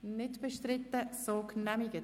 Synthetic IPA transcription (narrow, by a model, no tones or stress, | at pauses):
nɪtb̥ɛʃtɾɪt̪ːəsoknæmiɡə